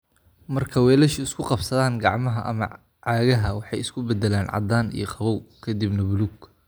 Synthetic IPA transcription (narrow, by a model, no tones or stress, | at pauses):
mɐrkʰɐwɛːlɛʃʊɪskʰʊqɑbsɐðaːŋɡɑʕmɐɦɐʔɐ̰mɐ | ʕɑːɣɐɦɐwɑħɑjɪskʰʊbɛd̪ɛlaːnʕɑ̰d̪aːnḭjɔqʰɑβɔwkʰɐd̪ibnɐbʊlʊɡ